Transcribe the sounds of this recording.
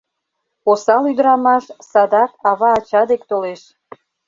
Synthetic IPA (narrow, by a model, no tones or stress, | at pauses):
osɑlyd̪əɾɑmɑʃsɑd̪ɑkɑβɑːt͡ɕɑd̪ek̚t̪oleʃ